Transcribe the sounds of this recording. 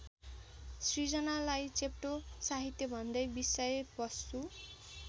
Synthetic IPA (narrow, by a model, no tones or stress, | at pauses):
srid͡zʌnalajt͡sep̚ʈosaɦit̪jobʱʌnd̪ʌjbisʌjebʌsːu